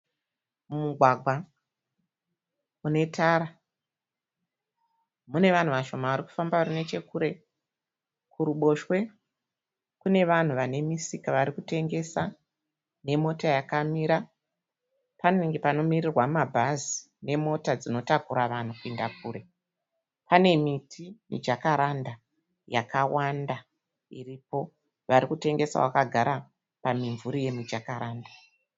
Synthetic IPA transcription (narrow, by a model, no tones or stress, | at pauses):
mumuɡʱwaɡʱwa | une̞taɾa | mune̞ʋan̤uʋaʃo̞maʋaɾiku̥fambaʋarine̞t͡ʃe̞kuɾe̞ | kuɾuɓo̞ʃwe̞ | kune̞ʋan̤uʋane̞misikaʋaɾikute̞ŋɡe̞sa | ne̞mo̞tajakamiɾa | panoiŋɡepano̞mirirwammabʱazi̥ | ne̞mo̞tad͡zino̞takuɾaʋan̤ukuindakuːɾe̞ | pane̞mitʰimḭd͡ʒakaɾanda | jakawanda | iripo̞ | ʋaɾikute̞ŋɡe̞sa̰wakaɡʱaɾa | pamiɱvuɾije̞mid͡ʒakaɾaːnda